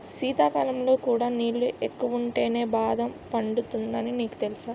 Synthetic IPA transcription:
siːt̪aːkɐlɐmlo̞ːkuːɽaːniːlːuʔekːuʋuɳʈe̞ːne̞ːbaːd̪ɐmpɐɳɖut̪und̪ɐniniːku̥t̪e̞lusaː

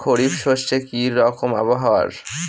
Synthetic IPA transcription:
kʰoɽibʃoʃtekiɔkoma̰boɦa̰ɾ

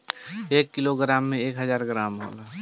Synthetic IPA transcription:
eːkːɪloɡɾaːmːẽeːkɦəzaːɾɡɾaːmɦo̰ːla

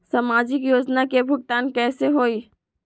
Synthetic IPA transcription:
samaːd͡ʒɪkjoːd͡ʒnakebʱʊk̚ʈaːnkɛːseɦoːiː

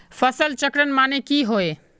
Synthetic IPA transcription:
fʰəsəlt͡ʃəkɾənmanekiɦoe

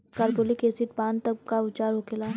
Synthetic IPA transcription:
kaɾbolikeːsɪʈpaːnt̪ɐkaʊt͡ʃaːɾɦokelaː

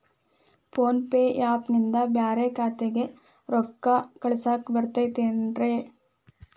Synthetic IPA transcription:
pʰoːnpeːjaːpnind̪ɐbjaːɾekaːt̪eɡe | ɾɔkːɐkɐɭsaːkbɐɾt̪ɐjt̪eːnɾe

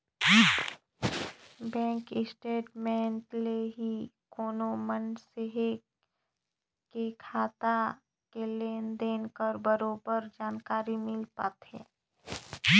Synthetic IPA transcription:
bɛ̃ːŋkɪsʈeːʈmẽːɳʈleɦikoːnomənseɦe | kekʰaːt̪a | keleːnd̪eːnkəɾbəɾoːbəɾd͡ʒaːnkaːɾimɪlpaːt̪ɦɛ̰ː

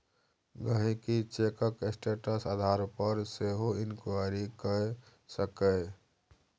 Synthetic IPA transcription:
ɡəɦẽkit͡ʃeːkəksʈeːʈəsad̪ʱaːɾpəɾseɦoɪnkaɾikə | səkə

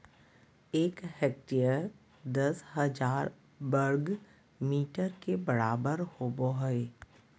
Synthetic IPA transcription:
eːkheːk̚ʈeːjəɾ | d̪əsɦəd͡ʒaːɾ | bəɾɡ | miːʈəɾkebəɾaːbəɾhoːboɦe

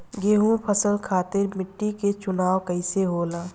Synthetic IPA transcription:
ɡeːɦũpʰəsəlkʰaːt̪ɪɾmɪʈːiket͡ʃʊnaːwkəɪseɦoːlaː

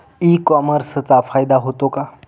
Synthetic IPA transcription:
ikɔməɾst͡safajd̪aɦot̪oka

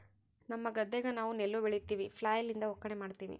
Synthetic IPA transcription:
nɐmːɐɡɐd̪ːɛɡɐnaːʋunelːubeɭit̪ːiːʋipʰlaːjɐlind̪ɐɦɔkːɐɳemaːɖt̪iːʋḭ

